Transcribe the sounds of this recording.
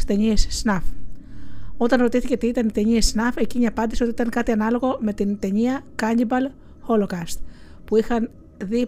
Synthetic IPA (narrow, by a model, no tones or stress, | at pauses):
t̪e̞ɲiesːnɐf | o̞t̪ɐnɾo̞t̪iθiceot̪iit̪ɐnit̪e̞ɲiesnɐfeciɲeɐpɐnd̪isiot̪iit̪ɐŋkɐt̪iɐnɐlo̞ɣo̞me̞t̪int̪e̞ɲiɐkɐnibɐl | xo̞lokɐst̪̚ | puixɐn | ði